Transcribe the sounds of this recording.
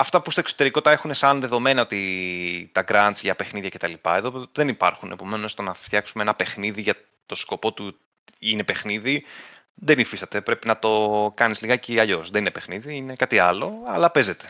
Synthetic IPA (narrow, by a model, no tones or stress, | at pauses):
ɐft̪ɐpust̪o̞eksot̪e̞ɾiko̞t̪t̪ɐe̞xune̞sɐnðe̞ðo̞me̞nɐo̞t̪it̪ɐɡɾɐnt͡sʝɐpe̞xniðjʝɐcet̪ɐlipɐ̰e̞ðo̞ðenipɐ̰ɾxune̞po̞me̞nosst̪onɐft̪çɐksumeenɐpe̞xniðiʝɐ | t̪o̞sko̞po̞t̪u | ine̞pe̞xniði | ðenifist̪ɐt̪e̞pɾe̞pinɐt̪o̞kɐnizliɣɐciɐʎosðeninepe̞xniðiine̞kɐt̪iɐlo̞ɐlɐpe̞ze̞t̪e̞̥